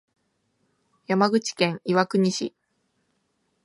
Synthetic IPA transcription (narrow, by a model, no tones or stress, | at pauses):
jamaɡɯ̟t͡ɕi̥kẽ̞ɰ̃iβakɯ̟ɲ̟iɕḭ